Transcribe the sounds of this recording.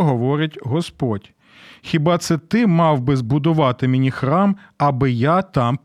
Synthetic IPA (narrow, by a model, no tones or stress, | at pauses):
ɦɔʋɔɾɪtʲɦɔspɔdʲ | xʲibɑt̪sɛt̪ɪmɑwbɪzbʊd̪ʊʋɑt̪ɪmenʲixɾɑmɐbɪjat̪ɑm